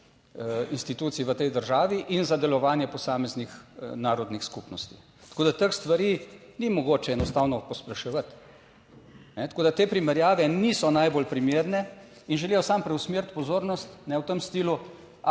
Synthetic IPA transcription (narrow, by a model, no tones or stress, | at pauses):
inst̪it̪uːt̪siʋət̪ɛjd̪əɾʒaːʋiʔinzad̪ɛlɔʋaːnjɛpɔsaːmɛznixnaːɾɔd̪nixskupnɔst̪i | t̪ɐ̥koːd̪at̪əkst̪ʋaɾiːnimɔɡoːt͡ʃɛɛnɔst̪aːwnɔpɔspɾɛʃɛʋət̪ | nɛt̪ɐ̥koːd̪at̪eːpɾimɛɾjaːʋɛnisɔnajbolpɾimeːɾnɛ | inʒɛlijɔsampɾɛwsmeɾt̪pɔzoːɾnɔst̪nɛwt̪əmst̪iːlu | a